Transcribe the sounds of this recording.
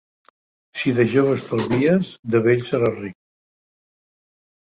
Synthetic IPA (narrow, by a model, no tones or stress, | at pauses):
siðəʒoβəst̪əlˠzβiəzd̪əβeʎʲsəɾarik̚